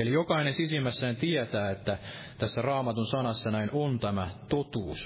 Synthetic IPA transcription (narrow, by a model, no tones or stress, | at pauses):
elijokɑinensisimːæsːæːnt̪iet̪æːet̪ːæ | t̪æsːærɑːmɑt̪unsɑnɑsːɑnæinont̪æmæt̪ot̪uːs